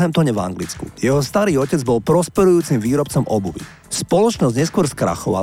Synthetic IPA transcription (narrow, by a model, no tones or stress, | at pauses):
ɦɛmt̪ɔɲɛva̰ŋɡlit͡skṵjɛɦɔst̪aɾiːɔcɛd͡zbɔlpɾɔspɛɾujuːt͡simʋiːɾɔpt͡sɔmɔbuʋḭ | spɔlɔt͡ʃnɔzɟɲɛskʊɔɾskɾa̰xɔʋa̰